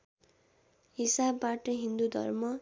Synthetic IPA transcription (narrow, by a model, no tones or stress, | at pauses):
ɦisabːaʈʌɦind̪ud̪ʱʌ̰rmʌ